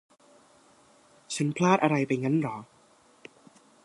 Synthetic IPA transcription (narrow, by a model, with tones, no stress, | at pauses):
t͡ɕʰa˦˥npʰlaː˥˩t̪̚ʔa˧ɾa˧jpa˧jŋa˦˥nɾɔ˩˦